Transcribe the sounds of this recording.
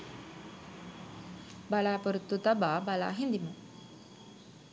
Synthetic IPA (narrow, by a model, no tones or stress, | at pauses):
balaːpəɾut̪ːut̪ababala̰ːɦind̪imo